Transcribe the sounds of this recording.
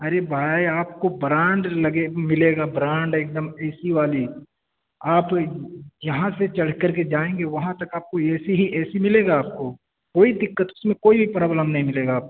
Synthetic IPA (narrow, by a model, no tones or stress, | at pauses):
ɐɾebʱaːiaːpkobɾãːɳɖlɐɡemɪleːɡabɾãːɳɖeːk̚d̪əmɛːsiʋaːli | aːp | jɐɦãset͡ʃɐɽ̤kɐɾk̬ed͡ʒaːẽːŋɡeʋɐɦãt̪ɐkaːp̚koɛːseɦiʔɛːsimɪleːɡaaːp̚ko | koːid̪ɪkːət̪ʊsmẽkoːibʱipɾaːbləmnɐɦĩmɪleːɡaːp̚